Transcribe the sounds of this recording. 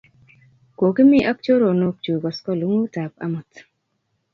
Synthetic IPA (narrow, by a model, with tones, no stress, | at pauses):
ko˨ɡɪ˦mɪ˦ʔa˦k̚t͡ʃo˦ɾo˨no˦k̚t͡ʃu˨ɡɔ˨skɔ˦lu˦ŋu˦ta˨pa̰˦mɔ˨t̪